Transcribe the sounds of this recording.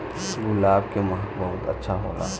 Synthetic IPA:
ɡʊlaːbkemɦbɐɦʊt̪ɐ̰tːʃʰaɦo̰ːla̰ː

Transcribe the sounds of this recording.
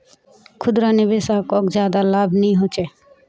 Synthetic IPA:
kʰud̪ɾanibesakɔkd͡ʒad̪alabʱniɦot͡ʃʰe

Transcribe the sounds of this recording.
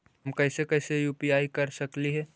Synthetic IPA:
ɦɐmkɛːsekɛːsejuːpiaːikɐɾsɐkliɦɛː

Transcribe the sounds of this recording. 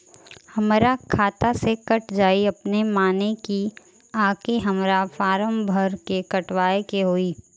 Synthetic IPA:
hɐmɾakʰaːt̪asekɐʈd͡ʒaːiɐpnemaːneki | aːkeɦɐmɾafaːɾəmbʱəɾkekɐʈʋaːekeɦoːiː

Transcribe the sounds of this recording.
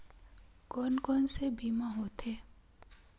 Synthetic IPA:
kɔːnkɔːnsebiːmaɦoːt̪ʰeː

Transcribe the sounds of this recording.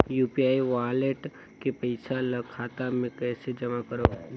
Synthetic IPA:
juːpiaːiʋaːleʈ | kepɐɪsalɐkʰaːt̪amẽkɛːsed͡ʒɐmakəɾoː

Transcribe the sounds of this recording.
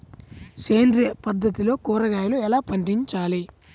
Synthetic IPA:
seːndɾepɐd̪ːɐt̪ilo̞ːkɔːɾɐɡaːjluɛlaːpɐɳɖiɲt͡ʃaːli

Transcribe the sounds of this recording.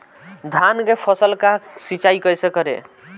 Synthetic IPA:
d̪ʱanɡepʰəsəlkasit͡ʃaikəjsekəɾḛ

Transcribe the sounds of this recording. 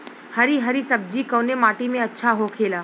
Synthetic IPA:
həɾiɦəɾisəb̚d͡ʒikəːnemaːʈimẽɐtːʃʰaɦokʰeːlaː

